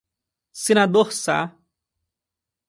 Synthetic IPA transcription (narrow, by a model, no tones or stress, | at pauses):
sinad̪ohsa̰